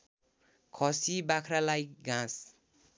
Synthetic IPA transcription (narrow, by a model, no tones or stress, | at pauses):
kʰʌsibakʰɾalajkɡãs